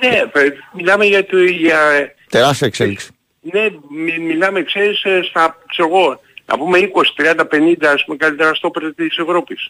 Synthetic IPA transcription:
nemilɐme̞ʝɐt̪iʝɐ | t̪eɾɐsekseliksi̥ | ne̞mimilɐme̞kse̞ɾisst̪ɐkseɾoɣo̞ | nɐ̰pume̞iko̞si̥t̪ɾiɐnd̪ɐpe̞nind̪ɐespume̞kɐlit̪eɾɐst̪o̞peɾt̪ɐt̪ise̞vɾo̞pis

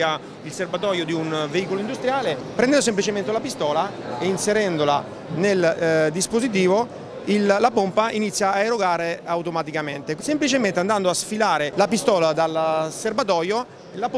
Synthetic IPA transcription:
a | ilserbat̪ɔːjod̪iunveiːkoloind̪ust̪ɾjaːlepɾɛnd̪ɛnd̪os̬emp̬lit͡ʃement̪eulapist̪ɔːla | einseɾɛnd̪ola̰ | neld̪ispozit̪̬iːvo | ilːapompainit̪sːjaːeɾoɡaːɾeawt̪omat̪ikament̪esemplit͡ʃement̪eand̪and̪oasfilaːɾelapist̪ɔːlad̪alserbat̪̬ɔːjo | lap

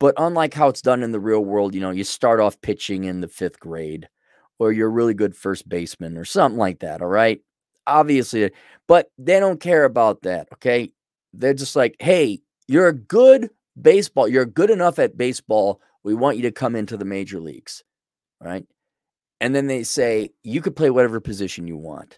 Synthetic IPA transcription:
b̥ʌɾʔə̃nlaɪkɦaʊətsd̥ʌ̃nɨ̃nðəɹilˠwɜ˞lˠd̚jɨnoʊjɨstɑɹɾɔfpʰɪt͡ʃɪ̃ŋɨ̃nðɨfɪθɡ̥ɹeɪd | ə˞jə˞ɹɪlˠiɡʊd̥fɜ˞sb̥eɪsmɨ̃ntə˞sʌ̃mθɪ̃ŋlaɪk̚ðæ̰ɾɔlˠɹaɪt̚ | ʔɑbviɨslið | b̥ʌt̪̚ðeɪɾõʊ̃nkʰɛɹɨbaʊt̪̚ðæ̰t̚oʊkʰeɪ | ðə˞d͡ʒʌst̚ˡlaɪkheɪ | jə˞ɨɡʊd | beɪsb̥ɔlˠjə˞ɡʊɾɨnʌfɨt̚b̥eɪsb̥ɔlˠ | wiwɑ̃nt͡ʃɨɾɨkʰʌ̃mɪ̃ntʉðəmeɪd͡ʒə˞lḭɡ̥z̥ | ɹa̰ɪt̚ | ɨ̃nðɨ̃nðeɪseɪjɨkɨd̚pʰl̥eɪwʌɾɛvə˞pʰɨzɪʃɨ̃n̩jɨ̰wɑ̰̃nt

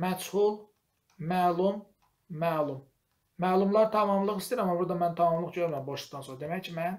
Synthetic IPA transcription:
mæshulˠ | mælˠumː | æːlˠumː | mæːlˠumlˠɑɾt̪ʰɑmɑmlˠɯχist̪iɾæmːɑbuɾd̪ɑmænt̪ʰɑmɑmlˠɯχɟøɾmæmboʃˠɯd̪ɑnsoɾɑd̪emæcʰmæn

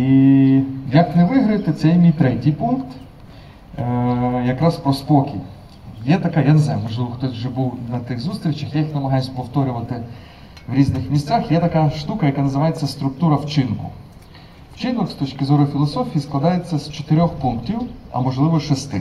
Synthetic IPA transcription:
i | jɐknɛʋɪɦɾɐjt̪ɪt̪sɛjmʲijt̪ɾɛtʲijpunkt̪ | jɐkɾaspɾɔspɔkʲḭj | jɛt̪ɐkajaneznajʊmɔʒlˠɪʋɔxt̪ɔsʲwʒɛbuwnɐt̪ɪxzust̪ɾʲit͡ʃɐxjaɪxnɐmɐɦɑjʊsʲpɔwt̪ɔɾʲʊʋɐt̪ɪ | ʋɾʲiznɪxmʲisʲt͡sʲaxjɛt̪ɐkaʃt̪ukɐjɐkanɐzɪʋajet͡sʲːɐst̪ɾʊkt̪uɾɐwt͡ʃɪnkʊ̰ | wt͡ʃɪnɔkst̪ɔt͡ʃkɪzɔɾʊfʲilˠɔsɔfʲijisklˠɐd̪ajet͡sʲːɐzt͡ʃe̥t̪eɾʲɔxpuŋktʲiwɐ̰mɔʒlˠɪʋɔʃɛst̪ɪ̰

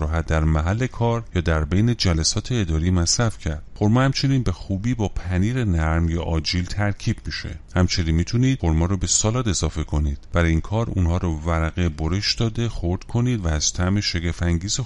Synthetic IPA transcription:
ɾɔːɦæt̪̚d̪æɾmæɦælːe̞kʰɒːɾjɒːd̪æɾbe̞jne̞d͡ʒælæsɒːt̪ʰeːd̪ɒːɾiːmæsɾæfcʰæɾd̪xo̞ɾmɒhæmt͡ʃʰe̞niːnbe̞xuːbiːbɒːpʰæniːɾe̞næɾmjɒːʔɒːd͡ʒiːlt̪ʰæɾcʰiːb̥̚miʃe̞̰hæmt͡ʃʰe̞niːnmiːt̪ʰuniːd̪̥xoɾmɒːɾɔbe̞sɒːlɒːd̪e̞zɒːfe̞kʰo̞niːd̪̥b̥æɾinkʰɒːɾunhɒːɾɔːvæɾæɣe̞bo̞ɾeʃd̪̥ɒːd̪e̞χo̞ɾd̪̥kʰo̞niːd̪væːz̥t̪ʰæme̞ʃeɡæfæŋɟiːze

